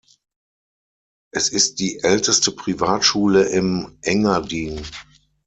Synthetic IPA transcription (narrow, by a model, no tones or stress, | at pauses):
ʔɛsɪst̚d̥iːʔɛltəstəpʁ̥ivaːtʃuːləʔɪmʔɛŋɐdiːn